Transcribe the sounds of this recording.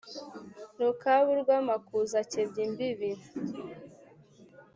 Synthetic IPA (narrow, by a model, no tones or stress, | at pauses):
ɾokaβuɾɡwamakuzacebɟimbiβiɾa